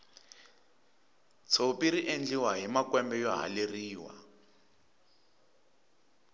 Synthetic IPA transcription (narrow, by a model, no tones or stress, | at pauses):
t͡sʰopiɾiʔend͡ɮiwaɦimakwɛmbɛjɔɦa̰leriːwa̰